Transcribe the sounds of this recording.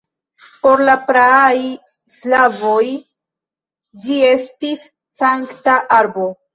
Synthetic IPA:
po̞ɾlapɾaaj | slavo̞j | d͡ʒie̞stisː | aŋktaʔaɾbo

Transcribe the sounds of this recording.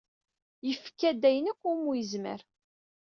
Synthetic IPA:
jəfkːæd̪æjnəkʷːʊmujəzmə̰ɾ

